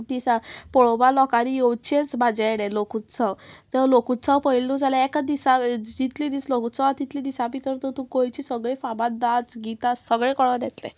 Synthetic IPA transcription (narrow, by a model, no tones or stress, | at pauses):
d̪isapɔɭobalɔkaɾijowt͡ɕet͡sbad͡zeɽɛlokut̪t͡sawt̪əlokut̪t͡sawpəilud͡zalaɛkad̪isad͡ʑit̪lid̪islokut͡səat̪it̪lid̪isapit̪əɾt̪ɔt̪ũkojt͡ɕisəɡɭĩfabãt̪̚d̪at͡sɡit̪assəɡɭẽkɔɭɔd̪ɛt̪lɛ̰